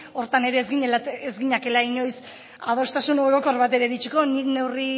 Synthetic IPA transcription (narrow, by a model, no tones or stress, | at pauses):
o̞ɾt̪ane̞ɾe̞ːzɣiɲeezɡiɲake̞laiɲo̞js | að̞o̞st̪asunoeɣoko̞ɾβat̪e̞ɾeðit͡ʃuko̞nikne̞wri